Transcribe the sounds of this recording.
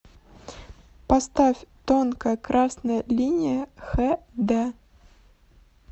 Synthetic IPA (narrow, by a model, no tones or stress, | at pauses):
pɐst̪afʲt̪onkəkɾasnəjəlʲinʲɪjəxɛd̪ɛ